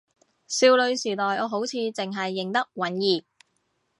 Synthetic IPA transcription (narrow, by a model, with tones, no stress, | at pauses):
siː˧wlɵ˨˧ɥsiː˨˩t̪ɔː˨jʔɔː˨˧ɦo˨˥wt͡sʰiː˧t͡sɪ˨ŋɦɐ˨jːɪ˨˩ŋt̪ɐ˥k̚wɐ˨˥njiː˨˩